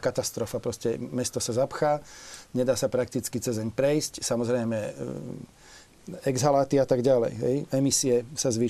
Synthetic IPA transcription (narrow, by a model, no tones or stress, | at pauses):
kat̪ast̪ɾɔfapɾɔscɛmɛst̪ɔsazapxaːɲɛd̪aːsapɾak̚t̪it͡skit͡sɛzɛɲpɾɛjscsamɔzɾɛjmɛ | ɛɡzɦalaːt̪iat̪aɡɟalɛ̰jɦɛ̰jɛmisiɛsazʋi